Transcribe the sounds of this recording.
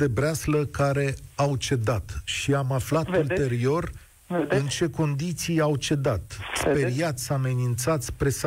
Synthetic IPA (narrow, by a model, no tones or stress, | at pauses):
e̞bɾeasləkaɾe̞awt͡ʃe̞d̪at̪ʃiamaflat̪ult̪e̞ɾio̞r | ɨnt͡ʃe̞ko̞nd̪it̪sijawt͡ʃe̞d̪at̪spe̞ɾiat̪sʲame̞nint̪sat̪sʲpɾe̞s